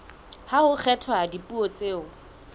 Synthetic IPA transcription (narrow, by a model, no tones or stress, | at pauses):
haʊk͡xʰɛtʰɔadipʼuot͡sʼeːʊ